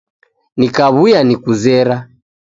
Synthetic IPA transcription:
nikaβujanikuzɛɾa

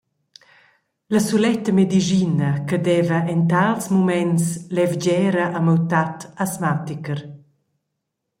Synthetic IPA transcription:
ləsulɛt̪əmed̪iʒinɐkəd̪ɛvəʔɛnt̪̬alsmumɛnslɛvd͡ʑɛːɾəʔaməwt̪at̪asmat̪ikəɾ

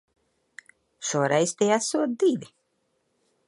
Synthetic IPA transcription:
ʃuɔɾɛjst̪ijasuɔt̪̚d̪ivʲi

